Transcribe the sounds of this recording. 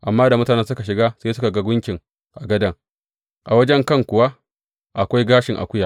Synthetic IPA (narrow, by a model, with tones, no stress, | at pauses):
ʔa˨mːaː˦da˨mʊ˦taː˨nɛ˦ns̬ʊ˦ka˨ʃ̬ɪ˨ɡaː˦seː˦sʊ˦ka˨ɡa˦ɡʷʊ˦ŋkʲɪ˨ŋ | ʔa˨ɡɐ˦dɐ˦ŋ | ʔa˨wɐ˦d͡ʒɛ˦ŋkɐ˦ŋkʷʊ˨wa˦ | ʔa˨kʷa˦jɡaː˦ʃɪ˨ŋʔa̰˨kʷʊ˦ja˨